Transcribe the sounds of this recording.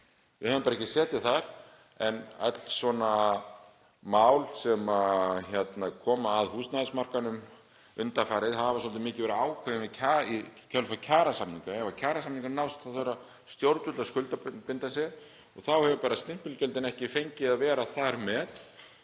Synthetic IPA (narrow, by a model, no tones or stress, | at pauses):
vɪhɛvʏmpaɾɛcːɪsɛːt̪ɪθaɾ̥ | ɛnœ̰t̪l̥svɔna | mawlsɛmaçɛt̪nakʰɔːmaːðhuːst̪naðɪsmar̥kanʏm | ʏnt̪afaːɾɪðɦavasɔlt̪ɪmɪːcɪvɛɾɪaːwkʰvɛvɪmɛcʰaicʰœlfacʰaːɾasamnĩŋkaɛvacʰaːɾasamniŋkanawst̪θaθœɾa | st̪jowɾt̪ʏt̪laskʏlt̪apɪnt̪asɛ | ɔɣθawhɛvʏpaːɾast̪ɪm̥pʏlcɛlt̪ɪnɛhcɪfejɲcɪaðvɛːɾaθaɾmɛð